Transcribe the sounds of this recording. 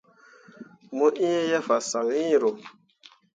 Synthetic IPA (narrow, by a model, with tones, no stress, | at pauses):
mo˦ʔi˦je˦ja˦fa˨sa˨ŋi˦˨ɾo˨